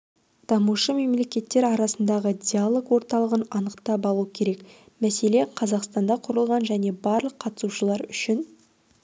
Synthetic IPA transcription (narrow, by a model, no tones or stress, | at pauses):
d̪̥ɑmuʃəme̞mle̞kʲe̞t̪ːeɾɑɾɑsənd̪ɑʁəd̪ʲialˠo̞kwo̞ɾt̪ɑlˠəʁənɑnəqt̪ɑpɑlˠukʲʰe̞ɾek | mæse̞le̞qʰɑzɑqst̪ɑnd̪ɑqʰʊɾəlˠʁɑnʒæne̞bɑɾlˠəqʰːɑt̪ə̥suʃəlˠɑɾʏʃɪn